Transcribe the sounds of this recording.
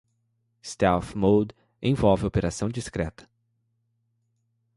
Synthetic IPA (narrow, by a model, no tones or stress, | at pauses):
st̪ɛfmowd̪ | ẽj̃vɔwvɪopeɾasɐ̃w̃d͡ʒiskɾɛ̰t̪ɐ̥